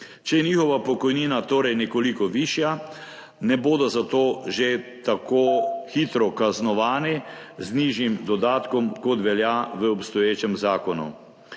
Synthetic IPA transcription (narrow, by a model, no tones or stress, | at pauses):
t͡ʃɛjɛnixɔʋapɔkɔjniːnat̪oːɾɛjnɛkɔlikɔʋiːʃja | nɛboːd̪ɔzat̪oːʒet̪akoːxiːt̪ɾɔkaznɔʋaːnizniːʒimd̪ɔd̪aːt̪kɔmkɔt̪ʋɛljaʋəɔpst̪ɔjeːt͡ʃɛmzaːkɔnṵ